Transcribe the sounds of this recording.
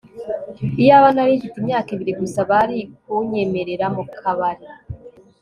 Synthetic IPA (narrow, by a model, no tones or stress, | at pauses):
ijaβanaɾiːɱfitimɲaːkiβiɾiɡusaβaɾikuɲe̞me̞ɾe̞ɾamukʰaβaɾi